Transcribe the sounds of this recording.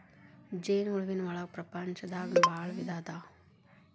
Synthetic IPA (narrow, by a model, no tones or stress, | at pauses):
d͡ʒejnuɭʋinʋɐɭaːk̚pɾɐpaɲt͡ʃɐd̪aːɡbaːɭʋid̪aːd̪aː